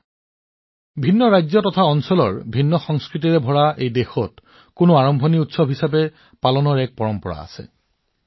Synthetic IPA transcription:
bʱinːɔɹajzɔtɔtʰaɔnsɔlɔ̰ɹbʱinːɔxɔŋskɹit̬iɹɛbʱɔɹaʔejdexɔt | kʊnoaɹɔmbʱɔniutsɔbʱɦisabɛ | palɔnɔɹɛk̚pɔɹɔmpɔɹa̰a̰sɛ̰

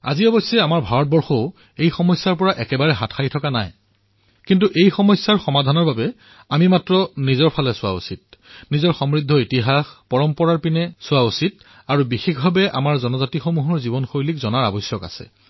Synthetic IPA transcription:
a̰ziɔbɔsjɛamaɹbʱaɹɔt̚bɔɹxoʊ | ejxɔmɔjsːaɹpɔɹaʔɛkɛbaɹɛɦatʰxʰajtʰɔkana̰j | kintuʔejxɔmɔsːaɹxɔmadʱanɔɹbabɛ | amimatɹɔnizɔɹpʰalɛsʊa̰ṵsit̚nizɔɹxɔmɹidʱːɔitiɦaxpɔɹɔmpɔɹaɹpinɛsʊwausit̚ | aɹubixexbʱabɛʔa̰maɹzɔnɔzatixomuɦɔɹzibɔnxojlikzɔnaɹa̰bɔjsjɔka̰sɛ̰

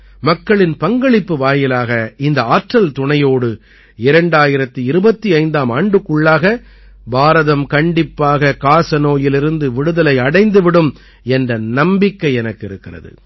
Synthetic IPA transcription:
mɐkːɐɭɪnpɐŋɡɐɭɪpːɯʋaːjɪlaːɣɐɪnd̪ɐaːʈrɐlt̪ʊɳɐjoːɽɯ | ɪɾɐɳɖaːjɪɾɐt̪ːɯiɪɾɯbɐt̪ːiɐɪnd̪aːmaːɳɖɯkːʊɭːaːɣɐ | baːɾɐðɐmkɐɳɖɪpːaːɣɐkaːsɐnoːjɪlɪɾɯnd̪ɯʋɪɽɯðɐlɐɪɐɽɐɪnd̪ɯʋɪɽɯm | ɛndrɐnɐmbɪkːɐɪɛnɐkːɪɾɯkːɪrɐ̰ðɯ̰

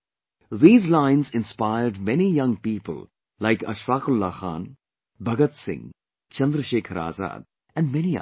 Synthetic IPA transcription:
ðiːzlãɪ̃nzɪ̃nspaɪəɾɖmɛnijʌ̃ŋpiːpə̰l | laɪkɐ̰ʃʋaːkʊlːaxa̰ːn | bʱɐɡət̪sɪ̰̃ŋ | t͡ʃɐ̃nd̪ɾəʃeːkʰɾa̰ːza̰ːd̪ | ɛ̃nɖmɛni

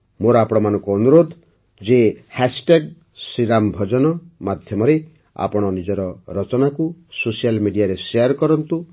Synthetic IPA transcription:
moɾɔapɔɽ̃ɔmanɔ̃ŋkuɔnuɾod̪ʱ | d͡ʒehasʈeɡ | siɾambʱɔd͡ʒɔnɔmad̪ʱjɔmɔɾe | a̰pɔɽ̃ɔnid͡ʒɔɾɔɾɔt͡ʃɔnakusosialmiɖijaɾesejaɾkɔɾɔnt̪u

